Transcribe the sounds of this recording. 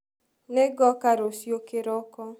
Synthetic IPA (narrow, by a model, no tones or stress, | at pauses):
neɡɔkaɾosjokeɾɔkɔ